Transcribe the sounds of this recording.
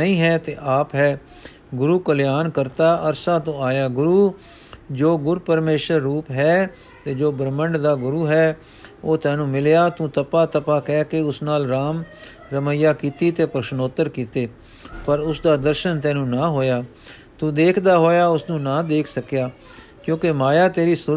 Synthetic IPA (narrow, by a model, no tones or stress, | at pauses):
nəĩːɦɛːt̪eːʔaːpɦɛː | ɡʊɾuːkəljaːnkəɾt̪aːʔəɾsãːt̪õːaːjaːɡʊɾuː | d͡ʒoːɡʊɾupəɾmeːʃəɾːuːpɦɛː | t̪eːd͡ʒoːbəɾməɳɖd̪aːɡʊɾuːɦɛː | oːt̪ɛ̃ːnũːmɪljaːt̪ũːt̪əpaːt̪əpaːkɛːkeʊsnaːlɾaːm | ɾəməjaːkiːt̪iːt̪eːpɾəʃnoːt̪əɾkiːt̪eː | pəɾʊsd̪aːd̪əɾʃənt̪ɛ̃ːnũːnãːɦoːjaː | t̪ũːd̪eːkʰd̪aːɦoːjaːʊsnũːnãːd̪eːkʰsəkjaː | kjõːkemaːjaːt̪eːɾiːsʊ